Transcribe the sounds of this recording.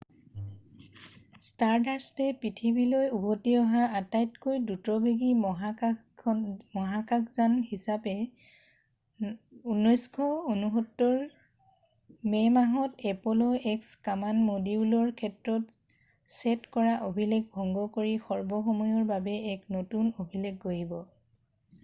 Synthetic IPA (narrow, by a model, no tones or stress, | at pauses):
staɹdaɹstɛpɹitʰibilojubotiɔɦaatajtkojdutɔbʱiɡimɔɦa | mɔɦakakzanhisapɛ | unːɔjskʰɔonuɦɔtːɔɹ | mɛmaɦɔtɛpɔlɔʔɛkskamanmodibulɔɹkʰɛtɹɔt | sɛtkɔɹaʔobʱileɡ̚bʱɔŋɡɔkoɹixɔɹbɔxɔmɔjɔɹbabɛɛknotunobʱileɡːoɹibɔ